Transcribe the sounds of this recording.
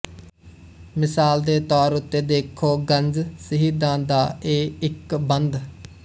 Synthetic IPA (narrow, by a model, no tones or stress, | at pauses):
mɪsaːld̪eːt̪ɔːɾʊt̪ːeːd̪eːkʰoːɡənd͡ʒsəɦiːd̪ãːd̪aːeːɪkbənd̪